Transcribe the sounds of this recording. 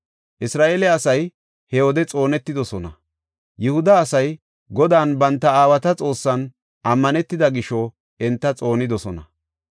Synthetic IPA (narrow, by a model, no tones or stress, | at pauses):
ʔɪsɾaːʔeːlɛɐsɐj | hɛɔd̪ɛt͡sʼo̞ːnɛt̪ːɪd̪ɔsɔnɐ | jɪhʊd̪ɐːsɐj | ɡɔd̪aːnbɐnt̪ːɐaːwɐt̪ɐt͡sʼo̞ːsːɐn | ʔɐmːɐnɛt̪ːɪd̪ɐɡɪʃɔ | ɛnt̪ːɐt͡sʼo̞ːnɪd̪ɔsɔnɐ